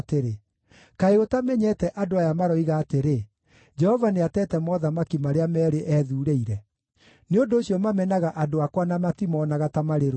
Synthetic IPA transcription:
teɾe | kaeɣotamɛɲɛtɛʔadoajamaɾɔiɣaːteɾe | d͡ʒɛhɔvaneatɛtɛmɔðamakimaɾeamɛːɾeʔɛːðuːɾeiɾɛ | neondoːɕijɔmamɛnaɣaʔadoakwanamatimɔːnaɣatamaɾeɾo

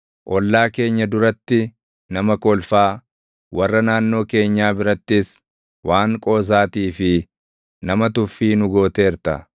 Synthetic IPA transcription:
ʔɔlːaːke̞ːɲːɐd̪ʊɾɐt̪ːɪ | nɐmɐkɔlfaː | wɐrːɐnaːnːo̞ːke̞ːɲːaːbɪɾɐt̪ːɪs | waːŋkʼo̞ːs̬aːt̪iːfɪ | nɐmɐt̪ʊfːiːnʊɡo̞ːt̪e̞ːɾt̪ɐ̰

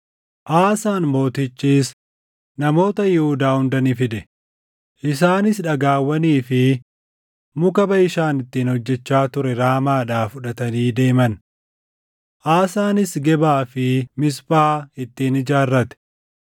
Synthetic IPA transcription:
ʔaːsaːnmo̞ːt̪ɪt͡ʃːiːs | nɐmo̞ːt̪ɐjɪhʊd̪aːhʊnd̪ɐnɪfɪᶑ̪ɛ | ʔɪsaːnɪs̬ᶑɐɡaːwːɐniːfɪ | mʊkɐbɐɪʃaːnɪt̪ːiːnhɔd͡ʒːɛt͡ʃːaːt̪ʊɾɛɾaːmaːᶑaːfʊᶑɐt̪ɐniːd̪e̞ːmɐn | ʔaːsaːnɪsɡɛbaːfɪmɪsbaːɪt̪ːiːnɪd͡ʒaːrːɐt̪ɛ̥

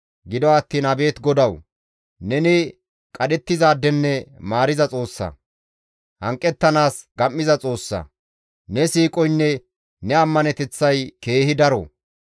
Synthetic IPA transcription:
ɡɪd̪ɔɐt̪ːiːnɐbe̞ːt̪ɡɔd̪ɐw | nɛnɪ | kʼɐd̪ɛt̪ːɪzaːd̪ːɛnːɛmaːɾɪzɐt͡sʼo̞ːsːɐ̰ | hɐŋkʼːɛt̪ːɐnaːsɡɐmːɪzɐt͡sʼo̞ːsːɐ̰ | nɛsiːkʼɔjnːɛ | nɛɐmːɐnɛt̪ɛt͡sːɐjke̞ːhɪd̪ɐɾɔ̰

